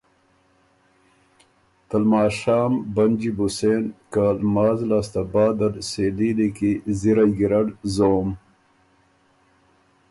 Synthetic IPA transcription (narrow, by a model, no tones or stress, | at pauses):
t̪ɐlmaːʃaːmbɐnd͡ʒibuseːnkaːlmaːzlaːst̪abaːd̪ɐlseːlilikiziɾajɡiɾɐɖzoːm